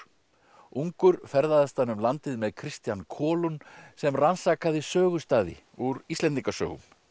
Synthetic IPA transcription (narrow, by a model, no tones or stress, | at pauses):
uŋkʏɾfɛɾðaðast̪anʏmlant̪ɪðmɛðkʰɾɪst̪jankʰɔːlunsɛmransaːkaðɪsœːɣʏst̪aːðɪ̰ | uɾist̪ɛnt̪̬iŋkasœ̰ːɣʏ̰m